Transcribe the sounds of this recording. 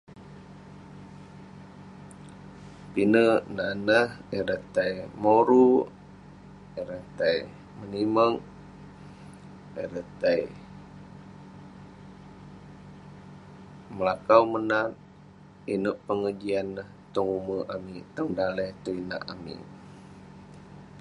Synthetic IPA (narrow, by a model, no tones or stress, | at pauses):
pinənanəhiɾət̪ajmoɾu | iɾət̪aj | məniməŋ | iɾət̪aj | məlakawmənat̪̚ | inəʔpəŋəd͡ʒianːəht̪ɔŋuməʔamit̪əŋdaləjt̪uina̰ʔamḭ